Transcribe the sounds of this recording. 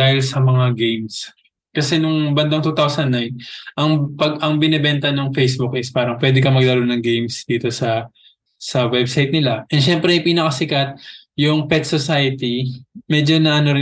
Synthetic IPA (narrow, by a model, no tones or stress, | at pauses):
aːhɪlsɐmɐŋaɡejms | kɐsɛnʊŋbɐnd̪ɐŋt̪uːt̪awsɐnːajnʔɐŋpɐɡɐŋbɪnɛbɛnt̪ɐnoŋfejsbʊkʔɪspaːɾɐŋpwɛd̪ɪkɐmɐɡlaɾonɐŋɡejmsd̪̥iːt̪o̞sɐ | sɐwɛbsajt̪̚nɪlaʔɛnʃɛmpɾɛpiːnɐkɐsɪkat̪̚ | jʊŋpɛt̪̚sosajɐt̪imɛd͡ʒo̞nɐʔɐno̞ɾɪ